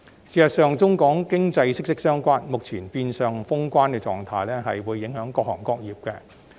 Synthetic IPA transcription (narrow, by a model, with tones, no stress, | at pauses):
siː˨˩sɐ˨t̚sœː˨˧ŋt͡sʊ˥ŋkɔː˨˥ŋkɪ˥ŋt͡sɐ˧jsɪ˥ksɪ˥k̚sœː˥ŋkʷaː˥nmʊ˨k̚t͡sʰiː˨˩npiː˧nsœː˨ŋfʊ˥ŋkʷaː˥nkɛː˧t͡sɔ̰ː˨ŋt̪ʰa̰ː˧jlɛː˥ɦɐ˨jwuː˨˧jːɪ˨˥ŋhœː˨˥ŋkɔː˧k̚hɔː˨˩ŋkɔː˧k̚jiː˨p̚kɛ˧